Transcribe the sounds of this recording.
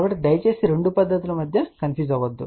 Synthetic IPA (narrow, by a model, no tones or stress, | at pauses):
ɐʋɐʈːed̪ɐjt͡ʃeːsiɾeɳɖupɐd̪ːɐt̪ilumɐd̪ʱjɐkɐnpʰjuːzaːɡod̪ːṵ